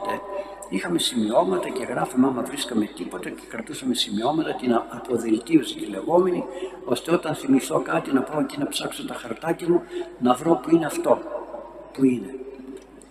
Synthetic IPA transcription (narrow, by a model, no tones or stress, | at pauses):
t̪e | ixɐme̞simio̞mɐt̪ɐce̞ɣɾɐfomɐmɐvɾiskɐme̞t̪ipo̞t̪ɐce̥kɾɐt̪usɐme̞simio̞mɐt̪ɐt̪inɐpo̞ðelt̪iusit̪ile̞ɣo̞me̞ni | o̞st̪eo̞t̪ɐnθimiθo̞kɐt̪inɐpaocinɐpsɐkso̞t̪ɐxɐɾt̪ɐcɐmunɐvɾo̞puineɐft̪o̞ | puine̞